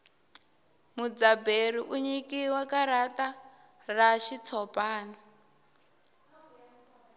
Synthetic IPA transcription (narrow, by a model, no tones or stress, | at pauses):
mud͡zaberiʔuɲikiwakaɾata | raʃit͡sʰɔpʼaːna